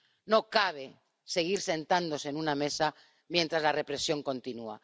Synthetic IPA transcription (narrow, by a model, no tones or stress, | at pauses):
nokaβ̞e̞ | se̞ɣ̞iɾse̞nt̪and̪o̞seːnuname̞sa | mje̞nt̪ɾazlare̞pɾe̞sjo̞ŋkõ̞nt̪inua̰